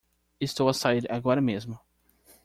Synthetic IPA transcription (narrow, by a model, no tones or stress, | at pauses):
ɪst̪owasaiɾaɡɔɾɐmezmʊ